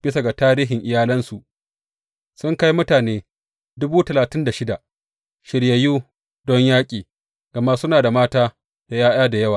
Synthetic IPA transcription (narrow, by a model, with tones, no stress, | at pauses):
b̥ɪ˦sa˨ɡa˨taː˦ɾiː˦ɦɪ˨ŋʔɪ˨jaː˦lɐ˦nsu˨ʔ | sʊ˦ŋka˦ji˦mʊ˦taː˨neː˦ | dʊ˦buː˦tɐ˨laː˨tɪ˦nda˨ʃɪ˦da˨ | ʃɪ˨ɽjɐ˨juː˦ | dɔ˦ɲjaː˦kʲʼiː˨ | ɡ̥ɐ˨ma˦ʔsʊ˦naː˨da˨maː˦taː˦ | d̥a˨jaː˦jaː˦da˨jɐ˦waː˨